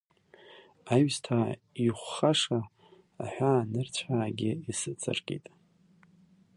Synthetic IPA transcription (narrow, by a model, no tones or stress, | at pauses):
ajɥstʰaiχʷːaʂaː | ħʷᶣanɨrt͡ɕʷʰaːɡʲɪisɨt͡sʰʼɨ̰rkʼḭtʼ